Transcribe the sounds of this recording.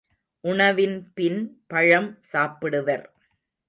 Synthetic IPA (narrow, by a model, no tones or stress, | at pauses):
ʔʊɳɐʋɪnpɪnpɐɻɐmsaːpɪɽɯʋɐɾ